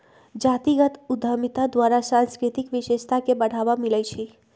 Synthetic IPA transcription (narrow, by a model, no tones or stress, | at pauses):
d͡ʒat̪iɡət̪ud̪ʱəmit̪ad̪ʋaɾasãnskɾit̪ikʋɪʃeʃt̪ʰakebəɽ̤aʋamiləjt͡ʃʰe